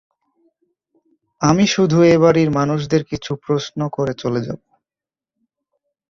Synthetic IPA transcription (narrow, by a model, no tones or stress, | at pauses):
amiʃud̪ʱueβaɾiɾmanuʃ̬d̪eɾkit͡ɕʰupɾosnokoɾet͡ɕoled͡ʑa̰bo